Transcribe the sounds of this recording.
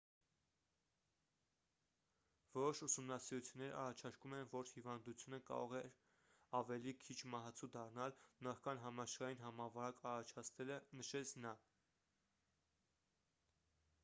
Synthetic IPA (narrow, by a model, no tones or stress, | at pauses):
vɔɾɔʃusumnɑsiɾut͡sʰjunːɛɾɑ̰rɑt͡ʃʰɑɾkumɛnvɔɾhivɑnd̪ut͡sʰjunəkɑ̰ɾɔʁɛ | ɑvɛlikʰit͡ʃʰmɑɦɑt͡sʰud̪ɑrnɑlnɑχkɑnɦɑmɑʃχɑjinɦɑmɑvɑɾɑkɑrɑt͡ʃʰɑt͡sʰt̪ɛlənəʃɛt͡sʰnɑ